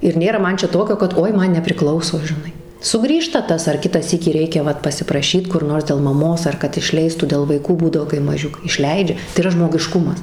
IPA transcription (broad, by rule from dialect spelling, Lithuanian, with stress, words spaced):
ɪr ˈnʲeːrɐ ˈmɐn ˈt͡ʃʲɛ ˈtoːkʲoː kɐt ˈoːɪ ˈmɐn nʲɛpʲrʲɪˈklˠɐʊsoː ʒʲɪˈnɐɪ sʊˈɡrʲiːʃtɐ ˈtɐs ɐr ˈkʲɪtɑː ˈsʲiːkʲiː ˈrʲɛɪkʲɛ ˈʋɐt pɐsʲɪprɐˈʃʲiːt kʊr ˈnoːrs dʲɛlˠ mɐˈmoːs ɐr ˈkɐt ɪʃʲˈlʲɛɪstuː dʲɛlˠ ʋɐɪˈkuː ˈbuːdɐʋoː kɐɪ mɐˈʒʲʊkɐɪ ˈɪʃʲlʲɛɪd͡ʒʲɛ tɐɪ iːˈrɐ ʒmoːɡʲɪˈʃkʊmɐs